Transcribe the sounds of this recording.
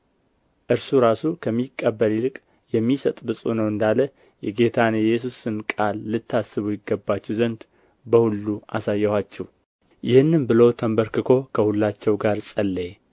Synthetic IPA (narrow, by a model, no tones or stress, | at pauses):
ʔɨɾsuɾasukʰəmːikʼːəbːəlilɨkʼ | jɛmːisət̪ʼbɨsʼunəwɨnd̪alə | jɛɡe̞t̪ʰanɛjːɛs̬usɨnkʼalːɨt̪ʰːasːɨβujɪɡːəbːat͡ʃːɛwzənd̪ | bəhulːuʔa̰sajːɛhat͡ʃːɛw | jɪhɨnːɨmbɨlo̞t̪ʰəmbəɾkɨkʰo̞kʰəhulːat͡ʃːɛwɡaɾsʼəlːə